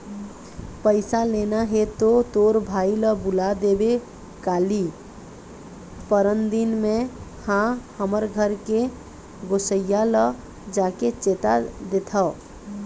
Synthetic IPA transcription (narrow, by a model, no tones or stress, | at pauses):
pəɪsalenaɦet̪ot̪oɾbʱailəbulad̪ebe | kaːli | pəɾənd̪inmẽhãhəməɾɡʱəɾke | ɡosəjːalə | d͡ʒaket͡ʃet̪ad̪et̪ʰə